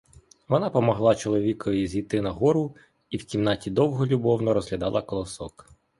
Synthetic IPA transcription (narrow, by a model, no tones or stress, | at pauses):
ʋɔnɑpɔmɔɦlˠɑt͡ʃɔlˠɔʋʲikɔjizʲijt̪ɪnɐɦɔɾʊ | iwtʲimnɑtʲid̪ɔwɦɔlʲubɔwnɔɾɔzɦlʲɐd̪ɑlˠɐkɔlˠɔsɔk